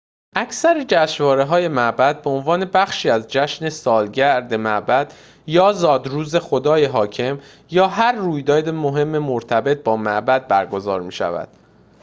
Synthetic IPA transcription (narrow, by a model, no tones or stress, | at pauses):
ʔæcʰsæɾed͡ʒæʃvɒːɾe̞ɦɒːje̞mæʔbæd̪̚beonvɒːne̞bæχʃiːæzd͡ʒæʃne̞sɒːlɟæɾd̪e̞mæʔbæd̪̥ | jɒːzɒːd̪ɾuːze̞xo̞d̪ɒːje̞ɦɒːcʰe̞m | jɒːɦæɾːuːjd̪ɒːd̪emoɦe̞mːe̞moɾt̪ʰæbe̞t̪̚ʰbɒːmæʔbæd̪̚bæɾɡo̞zɒ̰ːɾmiːʃæ̰væ̰d̪̥